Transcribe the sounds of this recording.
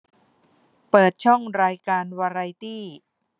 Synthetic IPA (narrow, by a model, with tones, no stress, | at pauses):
pɤː˨˩t̪̚t͡ɕʰɔ˥˩ŋɾaː˧jkaː˧nwaː˧ɾa˧jt̪iː˥˩